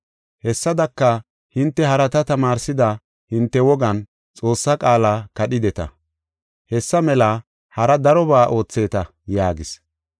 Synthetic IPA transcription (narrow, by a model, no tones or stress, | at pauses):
hɛsːɐd̪ɐkːɐ | hɪnt̪ːɛɦɐɾɐt̪ɐt̪ɐmaːɾsɪd̪ɐ | hɪnt̪ːɛwɔɡɐn | t͡sʼo̞ːsːɐkʼaːlaːkɐɗɪd̪ɛt̪ɐ̰ | hɛsːɐmɛlɐ | hɐɾɐd̪ɐɾɔβaːʔo̞ːt͡sːe̞ːt̪ɐ | jaːɡɪs